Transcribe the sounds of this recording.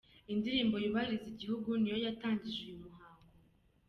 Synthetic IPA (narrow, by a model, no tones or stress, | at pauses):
indiɾiːmbo̞juβaiɾiziɟihuɡunijo̞jataːɲɟiʒujumuɦaːŋɡo